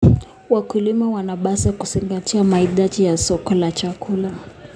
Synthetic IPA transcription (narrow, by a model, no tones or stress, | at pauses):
wakulimawanaɓasakuziŋɡatiamaiðaʄijasɔkɔlat͡ʃakʰula